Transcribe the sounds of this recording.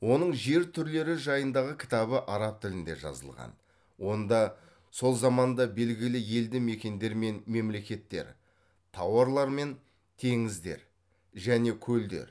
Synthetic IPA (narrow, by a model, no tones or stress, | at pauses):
wo̞nəɴʒe̞ɾt̪ʰʏɾle̞ɾɪʒɑjənd̪ɑʁəkʲʰɪ̥t̪ɑβəʔɑɾɑp̚t̪ʰɪlɪnd̪e̞̰ʒɑ̰zə̰lˠʁɑ̰n | wo̞nd̪ɑ | so̞lˠzɑmɑnd̪ɑbe̞lɡʲɪlɪje̞ld̪ɪme̞kʲe̞nd̪e̞ɾme̞nme̞mle̞kʲe̞t̪ːe̞̰ɾ | t̪ʰɑwɑɾlˠɑɾme̞n | t̪ʰe̞ŋɪzd̪e̞̰ɾ | ʒæne̞kʲʰɵld̪e̞̰ɾ